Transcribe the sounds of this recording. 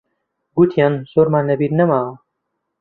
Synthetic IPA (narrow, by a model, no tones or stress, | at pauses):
ɡut̪ʰijʌnsoɾmannɐbiɾnʌma